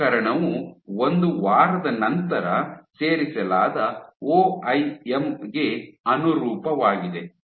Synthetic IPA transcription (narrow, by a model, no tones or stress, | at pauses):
ɐɾɐɳɐʋuond̪uʋaːɾɐd̪ɐnɐnt̪ɐɾɐse̞ːɾisɐlaːd̪ɐoːɐjemɡe̞ɐnuɾuːpɐʋaːɡid̪e